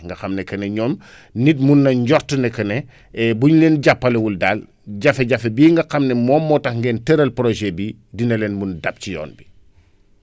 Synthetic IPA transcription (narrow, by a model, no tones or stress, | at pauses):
ŋɡɐxɐmnɛkɐnɛɲɔːm | nit̚munːɐɲɟɔɾtənɛkɐnɛ | buɲlɛːnɟapːɐlewuldaːl | ɟɐfeɟɐfebiːŋɡɐxɐmnɛmɔːmːɔːtɐxŋɡɛːntɛɾɐlpɾoʒɛbi | dinɐlɛnmundɐp̚cijɔ̰ːnbi